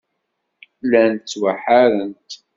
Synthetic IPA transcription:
lænt̪ːwaħaɾənt̪

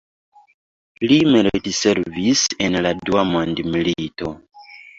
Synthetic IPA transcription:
limeɾtise̞ɾvisenladuamondmilito̞

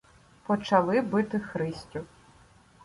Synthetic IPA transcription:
pɔt͡ʃɐlˠɪbɪt̪ɪxɾɪsʲtʲʊ

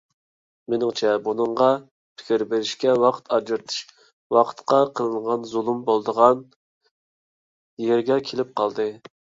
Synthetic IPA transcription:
menɪŋt͡ʃʰɛbunɨɴʁɑ | pʰɪ̥kʲiɾbeɾɪʃkʲɛwɑqʰt̪ʰɑd͡ʒɨɾt̪ʰɨ̥ʃ | wɑqʰə̥t̪qɑqʰəlˠɨnʁɑnzulˠumbolˠd̪əʁɑn | jeɾɡʲɛkʲʰelɪp̚qʰɑlˠd̪ɨ

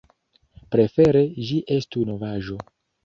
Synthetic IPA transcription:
pɾe̞fe̞ɾe̞ʒiʔe̞stuno̞vaʒo̞

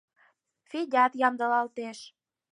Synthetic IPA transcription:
fidʲɑt̪jɑmd̪ə̆lɑlt̪eʃ

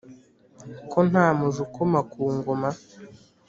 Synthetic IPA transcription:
kʰon̥aːmuzukomakuːŋɡoma

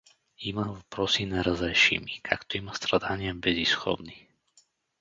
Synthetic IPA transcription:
imavpɾɔsinaɾazɛjʃḭmikʰa̰kt̪ɔimast̪ɾad̪aɲɪabɛzisxɔ̰bni

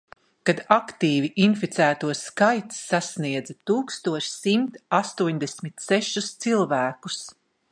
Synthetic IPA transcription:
kad̪akt̪iːviʔinfit̪sæːt̪uɔskajt̪sːasniɛd̪zat̪uːkst̪uɔʃsimt̪ast̪uɔɲd̪ɛsʲmit̪sɛʃust̪silˠvæːkus

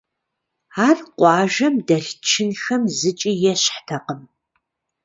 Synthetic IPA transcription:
aːrqʷɑːʒɐmdɐɬt͡ʃʰɪnxɐmzɨt͡ʃʼiːjɛɕħtʰɐqəm

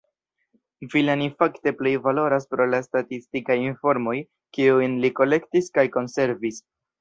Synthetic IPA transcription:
vilanifakte̞ple̞jvalo̞ɾaspɾo̞lastatistikajinfo̞ɾmo̞j | kiujnliko̞le̞ktiskajko̞nse̞ɾvis

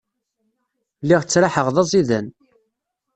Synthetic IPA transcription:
lːiʁt͡sːɾaħəʁðˤɑzˤiðæn

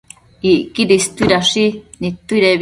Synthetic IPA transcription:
iʔkiɾist̪uiɾaʂinit̪ːuiɾeβ

